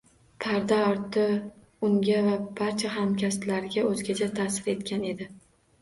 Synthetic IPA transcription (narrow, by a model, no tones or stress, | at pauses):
pʰaɾd̪aɒɾt̪ʰɪ | ʊŋɡʲavab̥aɾt͡ʃʰaɦamkʲʰast̪laɾɡʲaɵzɡʲat͡ʃʰat̪ʰasɪɾe̞t̪kʲʰane̞d̪ɪ